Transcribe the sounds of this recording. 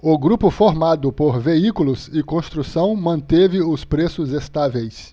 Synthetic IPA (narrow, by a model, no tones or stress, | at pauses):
ʊɡɾupʊfoɾmad̪ʊpoɾveikulʊsɪkõst̪ɾusɐ̃w̃mɐ̃nt̪evɪʊspɾesʊzest̪avejs